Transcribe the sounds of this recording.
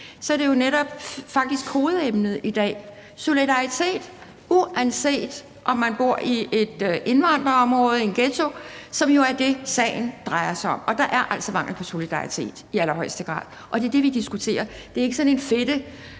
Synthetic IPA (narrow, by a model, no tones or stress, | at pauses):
sɒ̽æɐɾ̥e̝jo̝neɾɒ̽b̥fɑ̈ɡ̥̚d̥isɡ̥ho̝ːð̞̩ˠemnəð̩ˠid̥ɛ̰ː | so̝lidɑ̈it͡sʰe̝̰ːd̥ | uænse̝̰ːd̥ | ʔɒ̽mːænb̥o̝ɐ̰ʔie̝d̥e̝nʋɑ̈n̰d̥ʁɐɒ̽mʁɔ̽ːð̞̩ˠe̝nɡ̥et͡sʰo̝sɒ̽mjo̝æɐd̥e̝sɛ̰ːɪn̩d̥ʁɑ̈ɪɐsɑɒ̽mɒ̽d̥ɑ̈ʔæɐʔæl̰sɒmɑ̈ŋ̰l̩pʰɒ̽so̝lid̥ɑ̈it͡sʰe̝̰ːd̥iæl̰ɐɦɒ̽ɪsd̥əɡ̥ʁɑ̰̈ːðˠʔɒ̽d̥e̝ɐd̥e̝ʋid̥isɡ̥ut͡sʰe̝̰ːɐd̥e̝ɐe̝ɡ̥ə̥sɒ̽ne̝nfed̥ə